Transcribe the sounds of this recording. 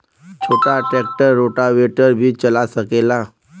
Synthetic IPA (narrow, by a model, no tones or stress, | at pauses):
t͡ɕʰoʈaʈɛk̚ʈəɾːoʈaʋeʈəɾbʱiːt͡ɕəlasəkela